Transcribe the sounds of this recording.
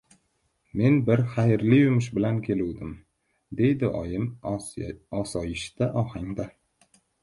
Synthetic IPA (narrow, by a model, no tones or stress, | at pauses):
me̞nbɪɾχajɾlɪjʊmʊʃbɪlankʲʰe̞luwd̪ɪm | d̪e̞jd̪ɪʔɒ̰jɪm | ɒsɒjɪʃt̪aʔɒhaŋd̪a